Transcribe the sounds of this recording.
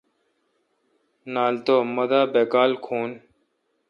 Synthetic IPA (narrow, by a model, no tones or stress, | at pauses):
naːlt̪oːməd̪aːbeːkaːlkʰuːn